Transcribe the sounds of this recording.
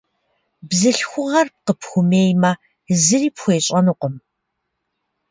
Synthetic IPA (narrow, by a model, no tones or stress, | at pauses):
bzɨɬxʷʊʁɐrp̚qəpxʷʊmeːjmɐ | zɨriːpxʷeːɕʼɐnɨqʷɔm